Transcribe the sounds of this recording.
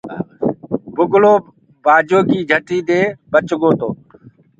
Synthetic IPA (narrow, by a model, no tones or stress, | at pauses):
bʊɡloː | baːd͡ʒoːkiːd͡ʒʱəʈiːd̪eːbət͡ʃɡoːt̪oː